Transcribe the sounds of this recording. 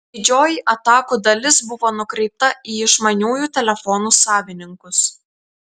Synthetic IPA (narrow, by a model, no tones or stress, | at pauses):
d̪ʲɪd͡ʒʲoːjiʔɐt̪ɑːkuːd̪ɐlʲɪsbʊʋoːnʊkɾʲɛɪt̪ɐiːɪʃmɐnʲuːjuːt̪ʲɛlʲɛfɔnuːsɑːʋʲɪnʲɪŋkʊs